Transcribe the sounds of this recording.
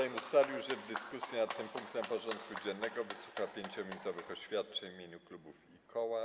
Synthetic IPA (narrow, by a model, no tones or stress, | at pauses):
ajmusfalʲijuʐɛvd̪ɘskusʲjɛnat̪ːɘmpuŋkt̪ɛmpɔʐɔnt̪kud͡ʑɛnːɛɡɔvɘsu̥xapʲjeɲt͡ɕɔmʲinut̪ɔvɘxɔɕfʲjat̪̚t͡ʂɛɲmʲjeɲuklubufikʰɔwa